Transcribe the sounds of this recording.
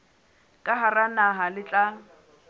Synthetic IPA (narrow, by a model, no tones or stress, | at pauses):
kʼaɦaranaɦalɪt͡ɬʼa